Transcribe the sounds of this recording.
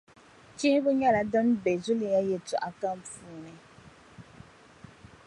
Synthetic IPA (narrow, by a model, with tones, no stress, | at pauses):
t͡ʃi˦bə˦ɲa˦la˨dɔ˦n˦be˨zu˦li˨ja˦je˨tu˨ʔa˨ka˦m̩˦fu˦˨nɛ˨